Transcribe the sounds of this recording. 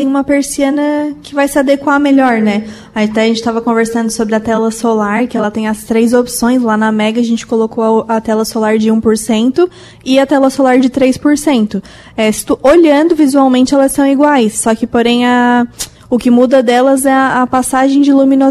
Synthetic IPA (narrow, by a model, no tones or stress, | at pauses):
ẽj̃ũmɐpeɾsiɐ̃nɐkɪvajsɪad̪ekwameʎɔɾnɛ | at̪ɛɐʒẽnt͡ʃɪ̥t̪avɐkõveɾsɐ̃nd̪ʊsobɾɪɐt̪ɛlɐsolaɾkɪɛlɐt̪ẽj̃ɐst̪ɾejzopsõj̃slanɐmɛɡɐʒẽnt͡ʃɪ̥kolokoɐt̪ɛlɐsolaɾd͡ʒɪũpoɾsẽnt̪ʊ | ɪɐt̪ɛlɐsolaɾd͡ʒɪt̪ɾejspoɾsẽnt̪ʊ | ɛsɪ̥t̪uʔoʎɐ̃nd̪ʊvizuawmẽnt͡ʃɪɛlɐsːɐ̃w̃iɡwajsːɔkɪpoɾẽj̃ɐ | ʊkɪmud̪ɐd̪ɛlɐzɛɐɐpasaʒẽj̃d͡ʒɪlumĩno